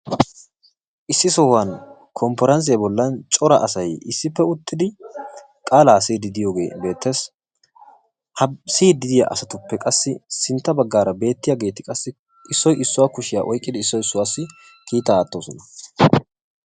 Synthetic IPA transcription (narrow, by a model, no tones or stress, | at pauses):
ʔɪsːɪsɔhɐn | kʰɔmpɔɾɐns̬ɪjɐbɔlːɐnt͡ʃʼɔɾɐʔɐsɐjɪsːɪpːɛʊt̪ːɪd̪ɪ | kʼaːlaːsiːd̪ɪd̪ɪjoːɡe̞̰ːbe̞ːt̪ːe̞ːs | hɐsiːd̪ɪd̪ɪjɐ̰ʔɐsɐt̪ʊpːɛkʼɐsːɪsɪnt̪ːɐbɐɡːaːɾɐbe̞ːt̪ːɪjaɡeːt̪ɪkʼɐsːɪ | ɪsːɔjʔɪsːʊwaːkʊʃɪja̰ʔɔjkʼːɪd̪ɪɪsːɔjɪsːʊwaːsːɪ | kiːt̪ːɐːt̪ʼːoːsɔnɐ